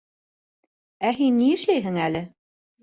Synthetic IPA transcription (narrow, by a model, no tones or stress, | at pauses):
æɦinːiɘ̆ʃlæjɦɘŋælɘ